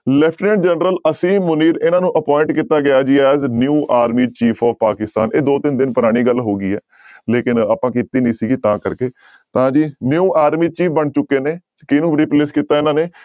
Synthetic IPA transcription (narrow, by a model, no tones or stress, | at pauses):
lɛːpʈnẽːɳɖd͡ʒɛːnɾələsĩːmʊniːɾɪnãːnũːʔəpɔːɪ̃ɳʈ̚kiːt̪aːɡɪjaːd͡ʒiːɛːznjuːʔaːɾmiːt͡ʃiːfʰɔːʋpa̰ːkɪst̪a̰ːnʔeːd̪oːt̪ɪnd̪ɪnpəɾaːɽ̃iːɡəlɦoːɡiːɛː | leːkɪnaːpãːkɪt̪ːiːnə̃ːsiːɡiːt̪ãːkəɾkeː | t̪ãːd͡ʒiːnjuːʔaːɾmiːt͡ʃiːfʰbəɳt͡ʃʊkːeːneː | kɪnũːɾipleːskiːt̪aːɪnãːneː